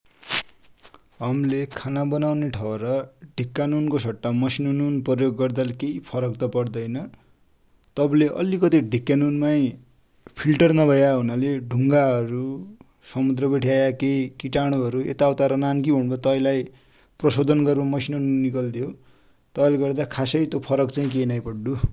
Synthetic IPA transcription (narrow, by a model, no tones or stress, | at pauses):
ɦʌmlekʰanabʌnawneʈʰʌwɾʌɖʱikːanonkosʰʌʈːamʌsinonunprʌjoɡːʌrd̪alkejpʰʌɾʌkt̪ʌpʌɽd̪ʌjnʌ | t̪ʌbleʔʌ̰likʌt̪iɖʱikːanunmaj | pʰilʈʌrnʌbʱʌjaɦunaleɖʱuŋɡaɦʌɾu | sʌmud̪rʌbeʈʰjajakejkiʈaɽ̃uɦʌɾuḛt̪awt̪aɾʌnankibʱʌñbʌt̪ʌilaj | prʌsod̪ʱʌnɡʌrmomʌsinonunːikʌld̪jo | t̪ʌleɡʌrd̪akʰasʌɾit̪jopʰʌɾʌkt͡saĩk̬enajpʌɽɖu